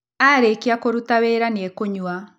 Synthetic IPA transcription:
aɾekeakoɾutaβeːɾaniɛkoɲua

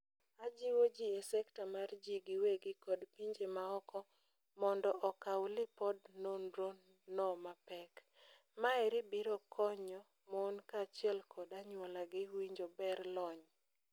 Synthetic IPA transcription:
ad͡ʒiwod͡ʒiesɛktamard͡ʒiɡɪweɡɪkɔdpiɲd͡ʒemaɔkɔ | mɔndɔʔɔkawlɪpɔdnonɾo | nɔmapɛk | maɛɾɪbiɾokʰɔɲɔ | mɔnkat͡ʃɪɛlkʰɔdaɲwɔlaɡɪwiɲd͡ʒobɛrlɔɲ

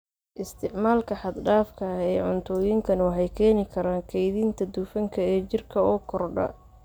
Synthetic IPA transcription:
ʔɪst̪ʰɪʕmaːlkʰɐħɑd̪ɖaːfkʰɐɛːʕʊnt̪ʰɔːjɪŋkʰɐnwɑħɑjkʰɛːnɪkʰɐɾaːŋkʰɛjðiːnt̪ʰɐd̪uːfɐŋkʰɐɛːt͡ʃɪrkʰɐɔːkʰɔrɖɐ̰

